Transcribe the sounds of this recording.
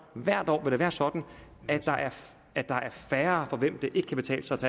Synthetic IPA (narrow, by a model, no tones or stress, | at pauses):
ʋæɐ̰d̥ɒ̰ːʋe̝d̥eʋæːɐsɒ̽d̥n̩æd̥ɑ̈ʔæɐ | æd̥ɑ̈ʔæɐfæːɐːfɒ̽ʋem̰d̥e̝ʔe̝ɡ̥əkʰæb̥e̝t͡sʰɛ̰ːləsɑ̈t͡sʰe